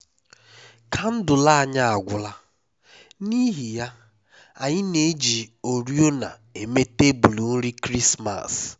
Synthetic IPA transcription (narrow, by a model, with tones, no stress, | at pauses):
kʰa˨n̩˦dʊ˨la˦a˨ɲa˦a˨ɡʷʊ˨la˦ | ni˦ɦi˨ja˦ | a˨ɲɪ˦ne˨˦d͡ʒi˨o˨ɾjo˦na̰˨ | e˨me˦te˦bu˨lu˨n̩˦ɾi˦kɾi˦sma̰˨s